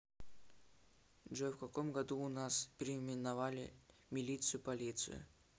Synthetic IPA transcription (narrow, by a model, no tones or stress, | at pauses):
ʐɛfkɐkomɡɐd̪uʊnaspʲɪɾʲɪmʲɪnɐvalʲɪ̰mʲɪlʲit̪sɨjʊpɐlʲit̪sɨ̰jʊ̰